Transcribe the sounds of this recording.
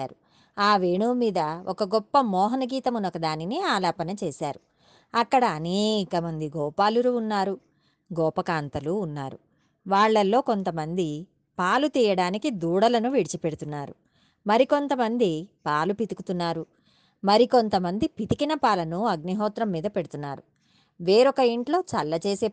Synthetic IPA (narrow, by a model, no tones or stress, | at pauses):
aːɾu | aːʋeːɳuːmiːd̪ɐɔkɐɡɔpːɐmɔːɦɐnɐɡiːt̪ɐmunɔkɐd̪aːniniaːlaːpɐnɐt͡ʃeːʃaːɾu | ɐkːɐɽɐːneːkɐmɐnd̪iɡɔːpaːluɾuːnːaːɾu | ɡɔːpɐkaːnt̪ɐluːnːaːɾu | ʋaːɭːɐlːo̞ːko̞nt̪ɐmɐnd̪i | paːlut̪iːjɐɽaːnikid̪uːɽɐlɐnuʋiɽit͡ʃipeɽut̪unːaːɾṵ | mɐɾiko̞nt̪ɐmɐnd̪ipaːlupit̪ikut̪unːaːɾu | mɐɾiko̞nt̪ɐmɐnd̪ipit̪ikinɐpaːlɐnuɐɡniɦɔːt̪ɾɐmːiːd̪ɐpeɽut̪unːa̰ːɾu | ʋeːɾɔkɐiɳʈlo̞ːt͡ʃɐlːɐt͡ʃeːseː